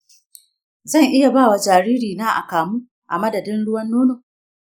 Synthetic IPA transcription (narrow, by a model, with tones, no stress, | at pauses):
zɐ˦˨ŋʔɪ˦ja˨baː˦˨wa˨d͡ʒaː˨ɽiː˦ɾiː˨naː˦ʔa̰˨kaː˨muː˦ | ʔa˨mɐ˦dɐ˨dɪ˦nɽʊ˦wɐ˦nːoː˦noː˨